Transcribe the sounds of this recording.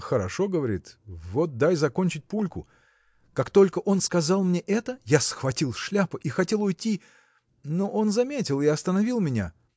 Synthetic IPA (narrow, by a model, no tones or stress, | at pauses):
xəɾɐʂo̞ɡəvɐɾʲit̪vot̪̚d̪ajzɐko̞nʲt͡ɕɪt̚ʲpulʲkʊ̰ | kakt̪o̞lʲkəʔo̞nskɐzɑlˠmnʲeʔɛt̪əjasxvɐtʲilˠʂlʲapəʔixɐtʲe̞lˠʊjtʲːi | noʔo̞nzɐmʲetʲɪlˠɪɐst̪ənɐvʲilˠmʲɪnʲa̰